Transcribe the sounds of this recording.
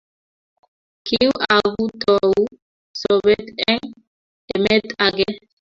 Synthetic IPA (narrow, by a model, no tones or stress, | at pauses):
kʰiwaɡut̪ɔwu | sɔbɛt̪ɛŋ | ɛmɛt̪ʼaɡɛ